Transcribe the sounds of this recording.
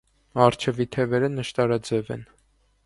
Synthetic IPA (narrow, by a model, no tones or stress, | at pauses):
ɑɾt͡ʃʰɛvit̪ʰɛvɛɾənəʃt̪ɑɾɑd͡zɛvɛ̰n